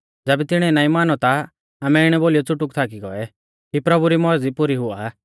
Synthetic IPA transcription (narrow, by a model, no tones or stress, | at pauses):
d͡zɛːbɛt̪ɪɽ̃ɛnaːĩmaːnɔt̪a | aːmɛɪɽ̃ɛboːlijɔt͡sʊʈʊkt̪ʰaːk̬iɡɔ̰ɛ | kipɾɐbuɾimɔd͡zipʊɾiɦʊa̰